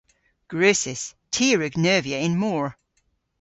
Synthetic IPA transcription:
ɡ̥ɹøːˑsɪstʰiːɹʉɡnɜːviəɪ̃nmɔːɹ

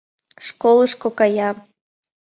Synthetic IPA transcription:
ʃkolˠəʃkokɑjɑ

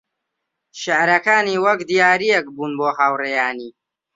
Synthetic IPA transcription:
ʃeʕɾɐkaːniːwɐkd̪ijaːɾijɛk̚buːnboːɦaːwrejaːniː

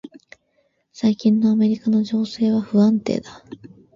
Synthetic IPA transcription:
saikʲĩnːo̞ame̞ɾʲikano̞ʑo̞ːse̞ːβaɸɯ̟ãnt̪e̞̰ːd̪a

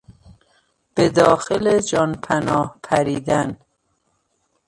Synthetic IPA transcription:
b̥ed̪ɒːxeled͡ʒɒːnpʰænɒːhpʰæɾiːd̪æn

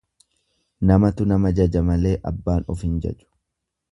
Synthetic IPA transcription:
nɐmɐt̪ʊnɐmɐd͡ʒɐd͡ʒɐmɐle̞ːʔɐ̰bːaːnɔfɪnd͡ʒɛ̰t͡ʃʊ̥

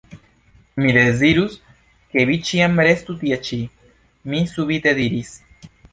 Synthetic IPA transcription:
miðeziɾus | keβit͡ʃiambɾest̪ut̪iat͡ʃi | misuβit̪eðiɾis

